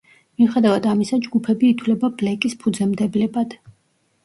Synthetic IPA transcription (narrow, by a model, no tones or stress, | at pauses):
miχɛd̪avad̪amisad͡ʒɡupʰɛbiːt̪ʰwlɛbablɛkʼispʰud̪zɛmd̪ɛblɛbad̪̥